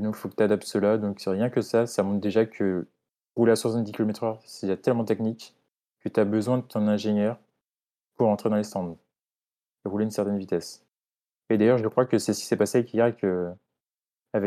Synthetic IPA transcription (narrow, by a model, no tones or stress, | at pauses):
d̪ɔ̃kfokə̥t̪yad̪ap̚t̪səlad̪ɔ̃kʁjɛ̃kəsasamɔ̃t̪d̪eʒakʰə | ʁuleaswuʁsɛ̃d̪ikʲilomet̪χœʁst̪ad̪iʁt̪ɛlmɑ̃t̪ɛknik | kːət̪yabəzwɛ̃d̪ət̪ɔ̃nɛ̃ʒenjœʁ | puʁɑ̃t̪χed̪ɑ̃lest̪ɑ̃d̪ | eʁuleynsɛʁt̪ɛnvit̪ɛs | ed̪ajœʁʒəkχwakəsɛsə̥kʲi̥sɛpaseavɛkijaɛkə | avɛ